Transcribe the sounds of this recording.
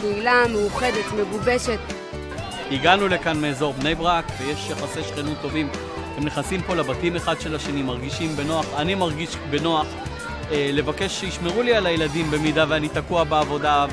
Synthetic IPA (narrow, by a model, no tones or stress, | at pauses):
keilameuχed̪et̪meɡubeʃet̪ | iɡanule̞kanmeːzo̞ʁbne̞jbʁakvejeʃjaχaseʃχenut̪ːo̞vim | hemneχnasimpo̞labatimeχad̪ʃe̞laʃenimaʁɡiʃimbe̞no̞aχanimaʁɡiʃbe̞no̞aχ | ele̞vake̞ʃːeiʃme̞ʁulialajeladimbe̞midaveanitakuabeavo̞da